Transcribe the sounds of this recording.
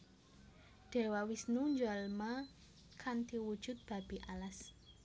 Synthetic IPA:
ɖ̥e̤wawisnuɲd͡ʒalma | kʰant̪iwu̥ʒ̥ʊ̤t̪̚b̥a̤b̥iʔalas

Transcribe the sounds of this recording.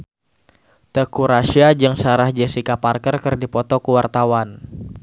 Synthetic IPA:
t̪əkuɾaʃiad͡ʒəŋsaɾahd͡ʒɛsikaparkərkərdipɔt̪ɔkuwart̪awan

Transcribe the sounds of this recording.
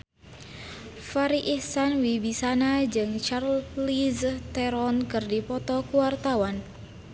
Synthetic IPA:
faɾiʔihsanwibisanad͡ʒɨŋt͡ʃarllizt̪ɛɾɔnkɨrdipɔt̪ɔkuwart̪awan

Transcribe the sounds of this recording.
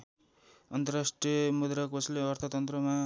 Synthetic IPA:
ʌnt̪ʌrasʈriʌmud̪ɾʌkpʌsʰleʌrt̪ʰʌt̪ʌnt̪rʌma

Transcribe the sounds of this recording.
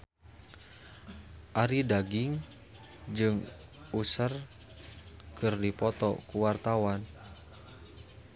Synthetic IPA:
ʔaɾidaɡiŋ | d͡ʒɨŋusər | kɨrdipɔt̪ɔ̰kuwart̪awan

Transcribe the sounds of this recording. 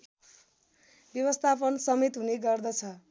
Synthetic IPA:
bjʌwʌst̪ʰapʌnsʌmet̪ɦuneɡʌrd̪ʌt͡sʰʌ

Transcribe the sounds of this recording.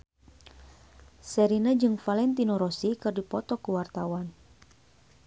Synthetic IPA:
sɛɾinad͡ʒɨŋfalɛnt̪inoɾɔsikɨrdipɔt̪ɔkuwart̪awan

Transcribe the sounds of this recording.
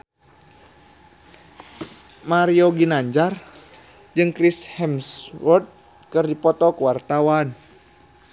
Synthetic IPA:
maɾiɔɡinaɲd͡ʒar | d͡ʒɨŋkɾishɛmswɔrd̪̚ | kɨrdipɔt̪ɔkuwart̪awan

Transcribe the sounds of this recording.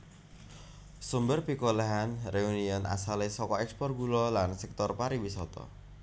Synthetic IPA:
sumbərpikoleɦanreuniɔna̰salesɔkɔɛkspɔr̚ɡulɔlansɛk̚t̪ɔrpaɾiwisɔt̪ɔ̰

